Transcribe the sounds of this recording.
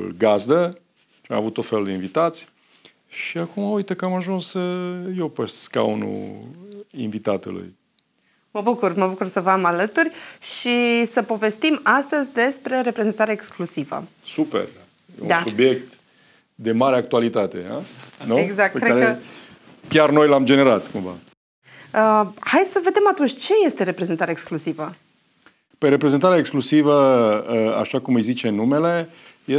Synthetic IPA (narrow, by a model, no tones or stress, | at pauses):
ɡazd̪ə | t͡ʃamavut̪ːo̞t̪feluld̪einvit̪at̪sʲ | ʃiakumaujt̪əkəamaʒunsjewpəsska̰unṵ | invit̪at̪ṵlṵj | məbukurməbukursəvamalət̪urʲʃisəpo̞ve̞st̪imast̪əzʲd̪e̞spɾe̞ɾe̞pɾe̞zent̪aɾeeksklusivə̰supḛr | jḛud̪assubje̞k̚t̪ | d̪e̞maɾeak̚t̪ualit̪at̪e̞̰a̰nueɡzak̚t̪kɾeaɾe | kʲjarno̞jlamd͡ʒe̞neɾat̪kuɱva̰ | əhaj̪ʲsəve̞d̪emat̪unt͡ʃʲt͡ʃe̞je̞st̪eɾe̞pɾe̞ze̞nt̪aɾeaeksklusivə | pəjɾe̞pɾe̞zent̪aɾeaeksklusivəəa̰ʃakumɨjzit͡ʃe̞nume̞le̞ | je